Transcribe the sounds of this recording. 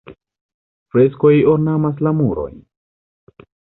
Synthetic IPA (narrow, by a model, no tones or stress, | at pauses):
fɾe̞sko̞joɾnamas̬lamuɾo̞̰j